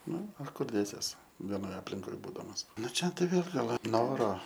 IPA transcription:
ˈnʊ oː ˈkʊr ˈdʲeːsʲiɛs ʋʲɛˈnoːj ɐpʲlʲɪŋˈkoːj ˈbuːdɐmɐs ˈnʊ ˈt͡ʃʲɛ ˈtɐɪ ˈʋʲeːlˠ ˈɡɐlˠ ˈnoːroː

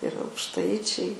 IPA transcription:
ɪr ɐʊkʃˈtɐɪt͡ʃʲɛɪ

